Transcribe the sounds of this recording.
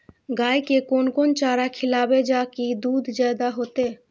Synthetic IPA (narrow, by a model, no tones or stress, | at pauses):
ɡaːikekoːnkoːnt͡ʃaːɾakʰɪlaːbed͡ʒaːkid̪uːd̪ʱd͡ʒaːd̪aɦoːt̪eː